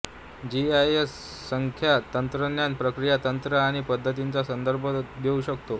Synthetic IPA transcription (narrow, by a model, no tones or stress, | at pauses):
d͡ʑiajesː | əŋkʰjat̪ənt̪ɾənjanpɾəkɾijat̪ənt̪ɾəaɽ̃ipəd̪ʱːət̪̬int͡sasənd̪əɾbʱəd̪euɕəkt̪o